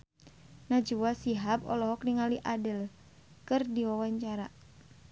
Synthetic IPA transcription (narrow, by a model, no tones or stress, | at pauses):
nad͡ʒuwasiɦap̚ɔ̰lɔɦɔkniŋaliʔadəl | kɨrdiwawaɲt͡ʃaɾa